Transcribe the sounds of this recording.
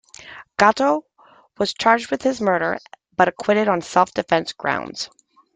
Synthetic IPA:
ɡ̥ɑɾoʊ | wʌz̥t͡ʃʰɑɹd͡ʒd̚wɨð̥ɨzmɜ˞ɾə̰˞ | b̥ʌɾɨkʰw̥ɪɾɨɾn̩sɛlˠfd̥ɨfɛ̃nsɡ̥ɹã̰ʊ̃ndz̥

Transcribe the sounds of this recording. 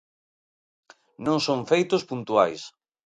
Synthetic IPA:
nõŋsõŋfejt̪ʊspunt̪ua̰js

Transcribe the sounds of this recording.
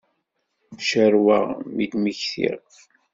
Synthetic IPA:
ʃəɾwaʁmid̪məçθḭʁ

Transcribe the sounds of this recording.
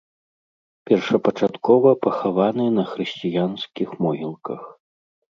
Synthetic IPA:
pʲɛrʂɐpɐt͡ʂat̪kɔvɐpɐxavanɨnɐxɾɨsʲt͡sʲijansʲkʲixmɔɦʲilˠkɐx

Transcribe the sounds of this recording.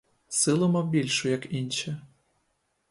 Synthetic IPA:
sɨlˠɤ̆mobʲilʲʃujɑkinʲt͡ɕɘ̆

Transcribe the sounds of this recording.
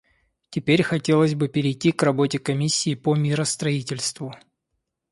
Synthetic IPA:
tʲɪpʲeɾʲxɐtʲe̞lˠəzʲbɨpʲɪɾʲɪjtʲːikrɐbo̞tʲɪkɐmʲisʲːɪːpomʲiɾəst̪ɾɐitʲɪlʲst̪vʊ

